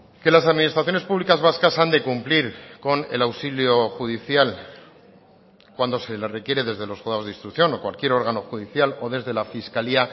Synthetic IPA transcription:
ke̞lasaðminist̪ɾaθjo̞nespuβlikazβaskasand̪e̞kumpliɾko̞ne̞̰lawsiljo̞xuðiθjal | kwand̪o̞se̞lere̞kjeɾe̞ðe̞zðe̞lo̞sɣoðao̞zðist̪ɾukθjo̞nokwalkje̞ɾo̞ɾɣano̞xuðiθjalo̞ðe̞zðe̞lafiskalia

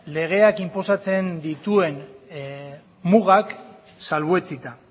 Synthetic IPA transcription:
le̞ɣ̞e̞akimpo̞sat͡se̞nd̪it̪ue̞n | muɣak | salβet͡sit̪a

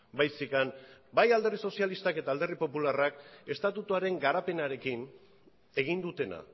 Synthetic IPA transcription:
bajsikanbajald̪e̞riso̞sialist̪ake̞t̪aːld̪e̞ripo̞pularake̞st̪at̪ut̪uaɾe̞ŋɡaɾape̞naɾe̞kin | e̞ɣ̞ind̪ut̪e̞na̰

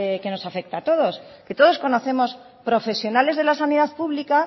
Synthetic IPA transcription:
eke̞no̞safe̞k̚t̪aːt̪o̞ðo̞ske̞t̪o̞ð̞o̞sko̞no̞θe̞mo̞s | pɾo̞fe̞sjo̞nale̞zðe̞lasaniðaðpuβlika

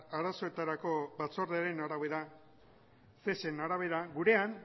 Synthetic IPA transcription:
aɾaso̞e̞t̪aɾako̞βat͡so̞ɾðeaɾe̞naɾaβe̞ɾa | se̞se̞naɾaβ̞e̞ɾaɡuɾe̞an

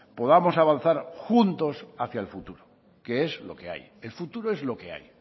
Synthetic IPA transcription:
po̞ðamo̞saβ̞an̟θaɾxunt̪o̞saθjaelfut̪uɾo | ke̞e̞zlo̞̰ke̞a̰j | e̞lfut̪uɾoezlo̞ke̞a̰j

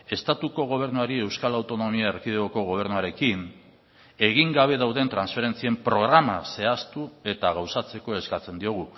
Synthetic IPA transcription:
e̞st̪at̪uko̞ɣ̞o̞β̞e̞ɾnuaɾie̞wskalawt̪o̞no̞miaeɾkiðeɣoko̞ɣ̞o̞β̞e̞ɾnuaɾe̞kin | e̞ɣiŋɡaβ̞e̞ðawðe̞nt̪ɾansfe̞ɾe̞nt͡sie̞mpɾo̞ɣ̞ɾamase̞ast̪ue̞t̪aɣ̞awsat͡se̞ko̞e̞skat͡se̞nd̪io̞ɣ̞u

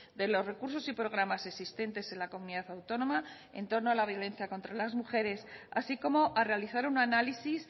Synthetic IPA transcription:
d̪e̞lo̞zre̞kuɾs̬o̞sipɾo̞ɣ̞ɾamase̞ksist̪e̞nt̪e̞se̞nlako̞muniðaθawt̪o̞nõ̞ma | e̞̰nt̪o̞ɾno̞alaβ̞jo̞lẽ̞n̟θjako̞nt̪ɾalazmuxe̞ɾe̞sa̰siko̞mo̞ʔare̞aliθaɾunanalisis

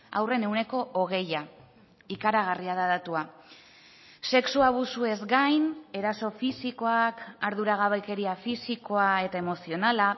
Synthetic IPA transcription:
a̰wre̞ne̞wne̞ko̞ʔːɣ̞e̞ja | ikaɾaɣ̞ariaðaðat̪ua | se̞ksuaβ̞usue̞zɡajne̞ɾaso̞fisiko̞akaɾðuɾaɣ̞aβajke̞ɾiafisiko̞ae̞t̪ae̞mo̞sio̞nala

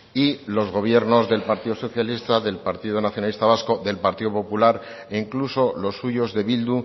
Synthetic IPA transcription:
ilo̞zɣo̞β̞je̞ɾno̞zðe̞lpaɾt̪iðoso̞θjalist̪aðe̞lpaɾt̪iðonaθjonalist̪aβasko̞ðe̞lpaɾt̪iðo̞po̞pulaɾ | eŋkluso̞lo̞sːuʝo̞zðe̞βild̪u

